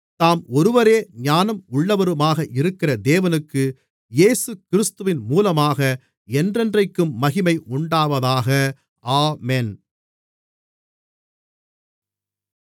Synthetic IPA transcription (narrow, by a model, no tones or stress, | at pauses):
t̪aːmɔɾɯʋɐɾeːɲaːnɐmʊɭːɐʋɐɾɯmaːɣɐʔɪɾɯkːɪrɐd̪eːʋɐnɯkːɯ | jeːsɯkɪɾɯst̪ɯʋɪnmuːlɐmaːɣɐ | ɛndrɛndrɐɪkːɯmːɐɣɪmɐɪʔʊɳɖaːʋɐðaːɣɐ | ʔaːmen